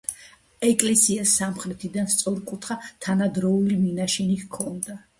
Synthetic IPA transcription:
ɛkʼlɛsiasːamχɾɛt̪ʰid̪anst̪sʼɔɾkʼut̪ʰχat̪ʰanad̪ɾɔuliminaʃinikkʰːɔnd̪a

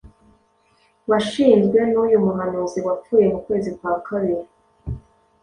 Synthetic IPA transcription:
βaʃiːnzɡwe̞nujumuɦanuziwap͡fuːje̞mukwe̞ːzikwaːkʰaβiɾi

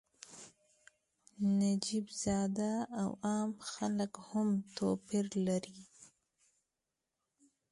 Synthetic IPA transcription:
nad͡ʒibz̥ɑd̪aːwɑmxaləkhʊmt̪opɪɾlaɾi

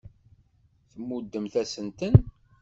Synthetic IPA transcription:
θəmːud̪ːəmθæsənt̪ən

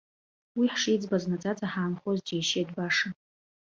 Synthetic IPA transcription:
wiħʂijd͡zbaznad͡zʼad͡zʼaħaːnχozd͡ʒejʃedbaʂa

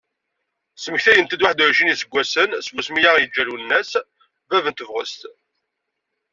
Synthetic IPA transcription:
səməçθæjənt̪id̪waħd̪əɾʒinisəɡʷːæsənsbusmijaʁjəd͡ʒːælunːæs | vævənt̪əvʁə̰st̪

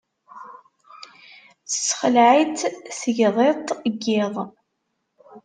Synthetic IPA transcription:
θə̥sːχəlʕit̪θəʝðˤet̪ˤəɡːɪðˤ

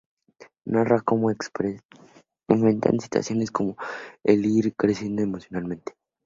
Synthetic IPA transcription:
narakomoekpe | eɱfɾent̪a̰nsi̥t̪wa̰sjo̞nesko̞mo̞eliɾkɾe̞sje̞nd̪o̞emo̞sjo̞nalmẽnt̪e̥

